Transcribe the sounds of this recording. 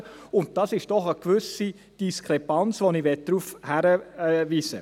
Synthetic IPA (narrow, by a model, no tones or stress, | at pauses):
ʊnt̚d̥ɑsɪʃd̥ɔχəkʋʏsi | d̥iskʰɾɛpɑnt͡sʋoniʋɛt̚d̥ɾufhæɾəviːsə